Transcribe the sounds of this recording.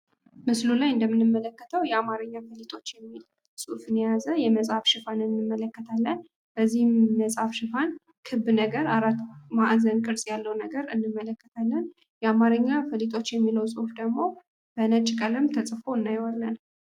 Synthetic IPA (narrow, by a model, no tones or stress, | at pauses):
mɨslulajɨnd̪əmɨnːɨmːələkːət̪ʰəwjɛamaɾɨɲːafəlit̪ʼo̞t͡ʃːjɛmːil | sʼufɨnɛjazəjɛməsʼafʃɪfanɨnːɨmːələkːət̪ʰalːən | b̥əzːihməsʼafʃɪfan | kʰɨbnəɡəɾaɾat̪maʔzənkʼɨɾsʼjalːəwnəɡəɾɨnːɨmːələkːət̪ʰalːən | jɛamaɾɨɲːafəlit̪ʼo̞t͡ʃːjɛmːiləwsʼɨfd̪əɡmo̞ | b̥ənət͡ʃʼɪkʼəlɨmt̪ʰəsʼfo̞ɨnːajwalːən